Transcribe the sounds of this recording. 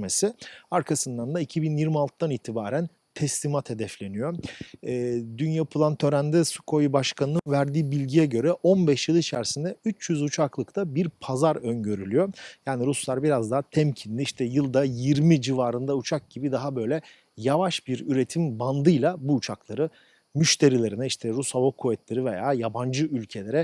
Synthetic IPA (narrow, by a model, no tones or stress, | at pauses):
mesɪaɾkʰasɯnd̪and̪aicʰibinjiɾmialˠt̪ɯd̪aniːt̪ʰibaːɾæn | t̪ʰɛslimat̪he̞d̪ɛflʲe̞nijo̞ɛːd̪ynjapʰɯlˠant̪ʰø̞ɾænd̪ɛsu̥kʰo̞jibaʃkʰanɯnɯnvæɾd̪iːbilʲɟijɛɟø̞ɾɛʔo̞nbɛʃjɯlˠit͡ʃʰæɾsind̪ɛyt͡ʃjyzut͡ʃʰaklˠɯkt̪ʰabiɾpʰazaɾønɟø̞ɾylʲyjo̞jaːniɾuslˠaɾbiɾazd̪aɦat̪ʰɛmcʰind̪ʲiiʃt̪ʰɛjɯlˠd̪ajiɾmid͡ʒivaːɾɯnd̪aut͡ʃʰak̚ɟibid̪aɦabø̞jlʲɛ | javaʃbiɾyɾe̞t̪ʰimband̪ɯjlˠabuːt͡ʃʰaklˠaɾɯ | myʃt̪ʰe̞ɾilʲe̞ɾinɛiʃt̪ʰɛɾushavokʰuvɛt̪ʰlʲeɾive̞jaːjaband͡ʒɯylʲcʰe̞lʲe̞ɾɛ